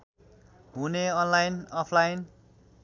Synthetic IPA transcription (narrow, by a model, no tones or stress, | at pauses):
ɦuneʌnlajnʌpʰlajn